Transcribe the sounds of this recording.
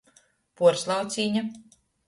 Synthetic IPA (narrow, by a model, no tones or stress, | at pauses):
puɔɾslˠawt̪siːɲa